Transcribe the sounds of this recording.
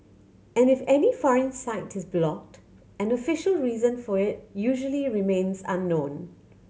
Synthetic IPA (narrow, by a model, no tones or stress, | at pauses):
ɛ̃nɪfɛnifɔɹə̃nsaɪtɪzblɔk̚t | ɛ̃nəfɪʃəlˠɹiːzə̃nfɔɹɪt̚juʒəliɹimẽnsã̰nːõːn